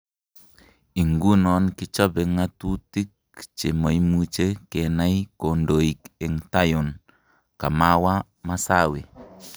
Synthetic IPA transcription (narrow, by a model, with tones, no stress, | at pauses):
i˨ŋɡu˦nɔ˨˦nkɪ˦t͡ʃɔ˦bɛ˨ŋa˦tu˦ti˦k̚ | t͡ʃe˨mo˨i˦mu˦t͡ʃe˦ke˨na˦i˦ko˨ndo˨i˨ke˨ŋta˦jɔ˨n | ka˨ma˦wa˦ | ma˦sa˦we˨